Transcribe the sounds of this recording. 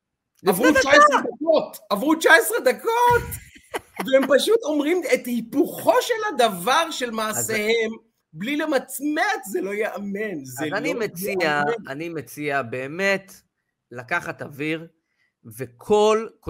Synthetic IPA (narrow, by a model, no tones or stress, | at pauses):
avʁut͡ʃaesʁed̪akot̪avʁut͡ʃaesʁed̪ako̞t̪ | veempaʃut̪o̞mʁimet̪hipuχo̞ʃe̞lad̪avaʁʃe̞lmaːse̞he̞m | blilemat͡smet̪zelo̞jeʔame̞nzeanimet͡siaanimet͡siabe̞ːmet | lakaχat̪aviʁ | vekʰo̞lk